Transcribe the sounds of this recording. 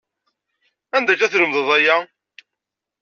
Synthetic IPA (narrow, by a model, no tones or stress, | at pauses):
ænd̪æt͡ʃæθləmðəðˤæjæ